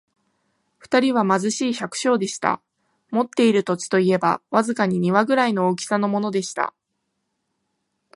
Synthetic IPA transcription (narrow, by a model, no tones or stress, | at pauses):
ɸɯ̥t̪aɾʲiβ̞amazɨɕiːɕakɯ̟̥ɕo̞ːd̪e̞ɕi̥t̪a̰ | mo̞t̪ːe̞iɾɯ̟t̪o̞t͡ɕi̥t̪o̞ie̞ba̰βazɨkaɲ̟iɲ̟iβaɡɯ̟ɾaino̞oːkʲi̥sano̞mo̞no̞d̪e̞ɕi̥t̪a̰